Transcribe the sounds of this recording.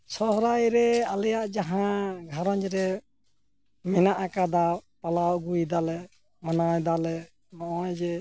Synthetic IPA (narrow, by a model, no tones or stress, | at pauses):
sɔɦɾajɾɛalɛjaʔd͡ʒaɦãɡʱaɾɔɲɾɛ | mɛnaʔakad̪apalawɡujd̪alɛ | manajd̪alɛ | nɔʔajd͡ʒɛ